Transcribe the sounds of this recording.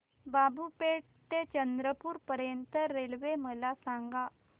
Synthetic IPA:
babʱupeʈ̚ | t̪et͡ɕənd̪ɾəpuːɾpəɾjənt̪əɾːelʋeməlasãŋɡa

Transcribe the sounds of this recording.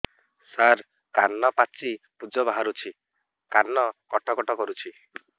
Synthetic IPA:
saɾ | kanːɔpat͡ʃi | pud͡ʒɔbaɦaɾut͡ʃʰi | kanːɔkɔʈɔkɔʈɔkɔɾut͡ʃʰi

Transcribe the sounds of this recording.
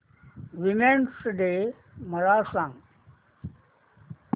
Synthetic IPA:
ʋimẽɳsɖe | məɾaːsãŋ

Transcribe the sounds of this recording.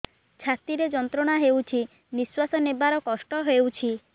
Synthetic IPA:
t͡ʃʰat̪iɾed͡ʒɔnt̪ɾɔɽ̃aɦewt͡ʃʰi | niswasɔnebaɾɔkɔsʈɔɦewt͡ʃʰi

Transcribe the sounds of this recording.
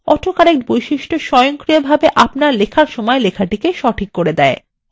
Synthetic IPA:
ɔʈʰokaɾek̚bojʃiʃʈoʃɔjoŋkɾijobʱabeʔapnaɾlekʰaɾʃɔmɔelekʰaʈikeʃɔʈʰikːoɾed̪ɛe

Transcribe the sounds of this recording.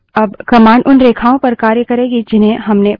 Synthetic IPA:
ɐbkɐmaːɳɖʔʊnɾeːkʰaːõpɐɾkaːɾjəkɐɾeːɡid͡ʒɪnɦẽɦɐmne

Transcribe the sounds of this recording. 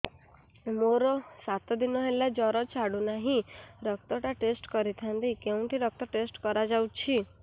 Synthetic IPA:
moɾɔsat̪ɔd̪inɔɦelad͡ʒɔɾɔt͡ʃʰaɽunaɦĩɾɔk̚t̪ɔʈaʈesʈkɔɾit̪ʰant̪ikeũʈiɾɔk̚t̪ɔʈesʈkɔɾad͡ʒawt͡ʃʰi

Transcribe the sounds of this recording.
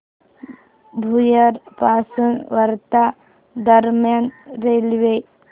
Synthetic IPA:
bʱujəɾpasunʋəɾt̪a | d̪əɾmjanɾelʋe

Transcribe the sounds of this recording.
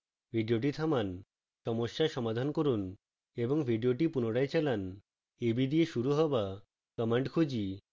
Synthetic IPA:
bʱiɖioʈ̬it̪ʰaman | ʃɔmoʃːaʃɔmad̪ʱankoɾun | eboŋbʱiɖioʈipunoɽaet͡ɕɛlan | ebid̪ieʃuɾuɦɔba | kɔmeɳʈkʰud͡ʑi

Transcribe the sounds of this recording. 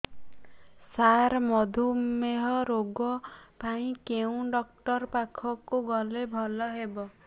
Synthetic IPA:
saɾmɔd̪ʱumeɦɔɾoɡɔpaĩkeũɖɔkʈɔɾpakʰɔkuɡɔlebʱɔlɔɦebɔ

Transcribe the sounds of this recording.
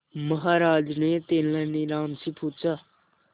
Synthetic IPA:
məɦaːɾaːd͡ʒneːt̪eːnãːniɾaːmsiːpʰuːt͡ʃaː

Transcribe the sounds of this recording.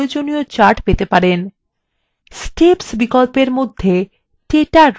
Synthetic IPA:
od͡ʑoniot͡ɕaɾʈpet̪epaɾen | sʈepsbikɔlpeɾmod̪ʱːe | ʈeʈa

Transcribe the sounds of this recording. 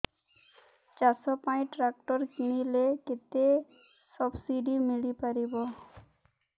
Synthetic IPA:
t͡ʃasɔpaj̃ʈɾakʈɔɾkiɽ̃ileket̪e | sɔbsiɖimilipaɾibɔ

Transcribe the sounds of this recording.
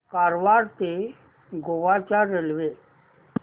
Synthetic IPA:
kaɾʋaɾt̪e | ɡoʋat͡ɕaɾelʋe

